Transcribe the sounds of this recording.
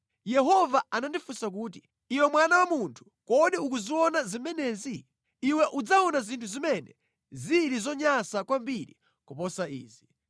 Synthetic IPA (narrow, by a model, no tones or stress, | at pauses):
jɛɦɔvaanandifusak̬uːt̬i | iwɛmwanawamuntʰu̥ | kɔɗiukuziwɔnazimɛnɛziː | wɛʔud͡zaɔnazintʰuzimɛnɛ̰ | ziɾizɔɲasakwambiɾḭ | kɔpɔsaiːzi